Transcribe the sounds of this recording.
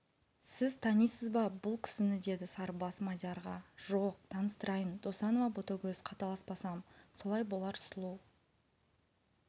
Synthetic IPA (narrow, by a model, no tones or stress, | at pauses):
sɪzt̪ʰɑnijsəzbɑbʊlˠkʲʰʏ̥sɪnɪd̪e̞d̪ɪsɑɾbɑsmɑd̪ʲjɑɾʁɑʒ̥oq̚t̪ʰɑnəst̪əɾɑjənd̪o̞sɑno̞vɑbot̪okʲɵzqʰɑt̪ɑlˠɑspɑsɑmso̞lˠɑjbo̞lˠɑɾslˠuw